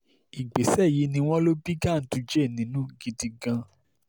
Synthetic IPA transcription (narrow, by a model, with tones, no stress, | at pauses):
i˨ɡ͡be˨sɛ˦˨ji˨˦nĩ˧w̃ɔ̃˦lo˦bi˦ɡã˦˨n̩˨˦tu˧d͡ʒe˦˨nĩ˨˦nũ˦ɡi˧di˧ɡã˧